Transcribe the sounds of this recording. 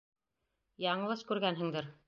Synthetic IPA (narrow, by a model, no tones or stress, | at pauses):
jɑɴɤlˠɤʃkʉɾɡænɦɘ̆ŋd̪ɘɾ